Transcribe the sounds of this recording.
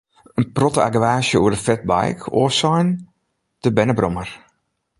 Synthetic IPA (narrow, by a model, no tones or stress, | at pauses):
ənprɔtəaɡəʋaːsjəuərdəfɛt̚ba̰jkʰoəsɔjn | d̥əbɛnəbromər